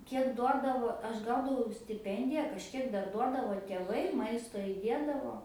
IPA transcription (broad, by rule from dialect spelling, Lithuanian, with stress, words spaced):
ˈkʲiɛk ˈduɔdɐʋoː ˈɐʃ ˈɡɐʊdɐʋɐʊ sʲtʲɪˈpʲɛnʲdʲɪjɛ kɐʃʲˈkʲiɛk ˈdɐr ˈduɔdɐʋoː tʲeːˈʋɐɪ ˈmɐɪstoː ɪˈdʲeːdɐʋoː